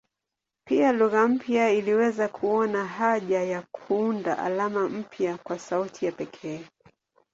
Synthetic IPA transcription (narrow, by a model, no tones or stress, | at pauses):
pialuɣam̩pjailiwɛzakʰuɔnaɦaʄajakʰuundaʔa̰lamam̩pjakwasautʰijapɛkʰɛː